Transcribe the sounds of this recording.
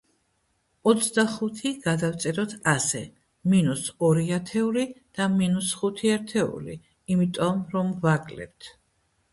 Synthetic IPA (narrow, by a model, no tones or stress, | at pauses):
ɔt̪sʰd̪aχut̪ʰiɡ̥ad̪aft̪sʼɛɾɔt̪ʰasɛ | minusɔɾiat̪ʰɛulid̪̥aminusχut̪ʰiaɾt̪ʰɛṵlḭː | mit̪ʼɔmɾɔmvakʼlɛ̰p̚t̪ʰ